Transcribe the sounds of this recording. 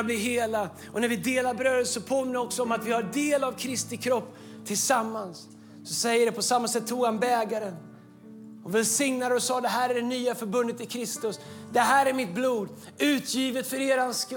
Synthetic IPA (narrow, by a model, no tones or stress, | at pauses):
blɪɦeːla | ɔnæɾvɪd̪eːlaɾbɾøːd̪əsɔpʰoːmɪnɔksɔɔmat̪vɪhaɾd̪eːlavkʰɾɪst̪ɪkʰɾɔpː | t̪ʰɪlsamːansː | ɔsɛjːəɖɛpʰɔsamːasɛt̪ʰːuːɡhanbɛːɡaɾən | ɔvɛlsɪŋnad̪əɔsɑːd̪ɛɦæːɾæɖɛnyːafœɾbɵnd̪ət̪ɪlkʰɾɪst̪ɵsd̪ɛɦæːɾæɾmɪt̪̚bluːd̪ | ʉ̟ːt̪ʰjiːvət̪fœɾeːɾansk